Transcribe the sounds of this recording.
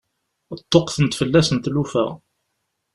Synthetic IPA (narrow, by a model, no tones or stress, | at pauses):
ət̪ˤːoqθənt̪fəlːæsənt̪lufə̰ʁ